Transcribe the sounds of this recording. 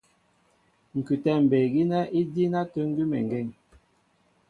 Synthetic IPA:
ŋ̩˨kʉ˨tɛ˦˨m̩˨be˨ɡi˦nɛ˦i˦di˦na˦tə˦ŋ̩˦ɡi˦mɛ̰˨ŋ˨ɡe˦˨ŋ

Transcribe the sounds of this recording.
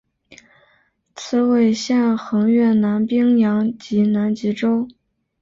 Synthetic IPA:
t͡sʰɹ̩˥˧we˥˩ɪɕjɛ˥˩nxɤ˧˥ŋɥɛ˥˩na˧˥npi˥ŋjɑ˧˥ŋt͡ɕi˧˥na˧˥nt͡ɕi˧˥ʈ͡ʂo˥ʊ

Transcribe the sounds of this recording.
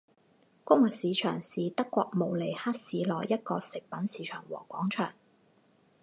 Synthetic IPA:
kʊ˥ŋwɐ˨siː˨˧t͡ʃʰœː˨˩ŋsiː˨t̪ɐ˥kːʷɔː˧k̚mo˨wle˨˩jhaː˥t̚siː˨˧lɔː˨jːɐ˥t̚kɔː˧sɪ˨k̚pɐ˨˥nsiː˨˧t͡ʃʰœː˨˩ŋwɔ̰ː˨˩kʷɔː˨˥ŋt͡ʃʰœː˨˩ŋ

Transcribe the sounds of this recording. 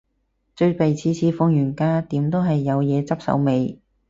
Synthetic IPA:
t͡ʃɵ˧ɥpe˨jt͡sʰiː˧t͡sʰiː˧fʊ˧ŋjyː˨˩nkaː˥t̪iː˨˥mt̪o˥wɦɐ˨jːɐ˨˧wjɛː˨˧t͡sɐ˥p̚sɐ̰˨˥wme˨˧j

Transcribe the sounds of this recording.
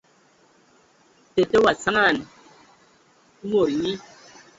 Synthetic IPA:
te˨te˦wa˨sa˦ŋa˦˨n˨˦ | ŋo˨ɾɲi˦

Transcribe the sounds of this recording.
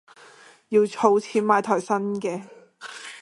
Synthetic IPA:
jiː˧wt͡sʰo˧wt͡sʰiː˧˥p̚maː˧jt̪ʰɔː˨˩jsɐ˥nkɛː˧

